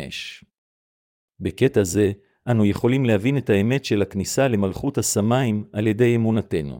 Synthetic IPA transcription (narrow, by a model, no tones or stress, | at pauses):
ḛʃ | be̞ke̞taze̞ | ʔanuje̞χo̞limle̞havine̞tae̞me̞tʃe̞laknisale̞malχuthasamaimalje̞de̞jemunatenṵ